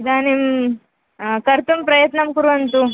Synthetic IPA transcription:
id̪aːnim | kɐɾt̪umpɾɐjɐt̪nɐmkuɾuɐnt̪u

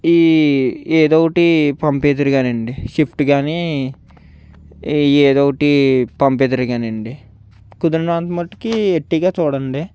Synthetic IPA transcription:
iːeːd̪oːwɐʈipɐmpeːd̪ɐɾiɡaːneɳɖiʃipʰʈɡaːni | eːd̪oːwʈipɐmpeːd̪ɐɾiɡaːneɳɖi | kud̪ɐɾnaːnt̪mɐʈːkieʈːiɡaːt͡ʃɔːɽɐɳɖe

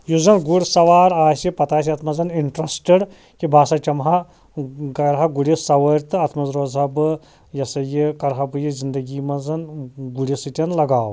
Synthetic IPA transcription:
juzɐnɡuɽʲsɐʋaːɾaːsʲipɐt̪aːs̬iɐt̪ʰmɐzɐniɳʈɾɐsʈeɖ | kibʱaːsɐt͡ʃʲɐmɦɐ | ɡɐɾɦaɡuɽisɐʋɐɾʲt̪ɨɐt̪ʰmɐzɾoːzɐbɨ | jɐsɐjikɐɾɦabɨjizind̪ɐɡiːmɐzɐnɡuɽʲisɨt̪ʲɐnlɐɡaːw

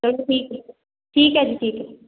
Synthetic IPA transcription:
d͡ʒɐɽʈʰiːkɦɛ | ʈʰiːkɦɛd͡ʒiːʈʰiːkɦɛ

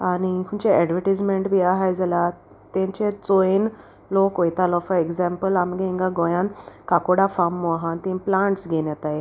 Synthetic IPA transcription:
añikʰuɲt͡ɕeɛɖʋəʈid͡zmeɳʈbiaɦajd͡zala | t̪ãɲt͡ɕet͡soen | lokojt̪alɔfəeɡzɛmpəlamɡẽŋɡaɡɔ̃jãnkakoɽafamːɔɦant̪ĩmplãɳʈsɡʱenjat̪ae

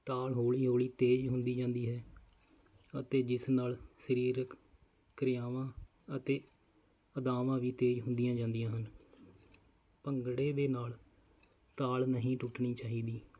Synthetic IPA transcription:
t̪aːlɦoːɭiːɦoːliːt̪eːd͡ʒɦʊ̃nd̪iːd͡ʒãːnd̪iːɦɛː | ət̪eːd͡ʒɪsnaːlsəɾiːɾəkː | ɾɪjaːʋãː | ət̪eː | əd̪aːʋãːʋiːt̪eːd͡ʒɦʊ̃nd̪ɪjãːd͡ʒãːnd̪ɪjãːɦən | pəŋɡɽeːʋeːnaːl | t̪aːlnəɦĩːʈʊʈɳiːt͡ʃaːɦiːd̪iː

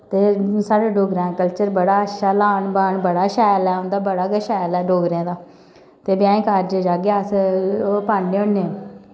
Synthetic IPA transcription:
t̪eːsaːɽaːɖoːɡɾãːkəlt͡ʃəɾbəɽaːəʃaːlaːɳbaːɳbəɽaːʃaːjlɛːʊ̃nd̪aːbəɽaːɡəʃaːjlɛːɖoːɡɾãːd̪aː | t̪eːbjãːẽːkaːɾd͡ʒəd͡ʒaːɡjaːsopaːɳneːõnːeː

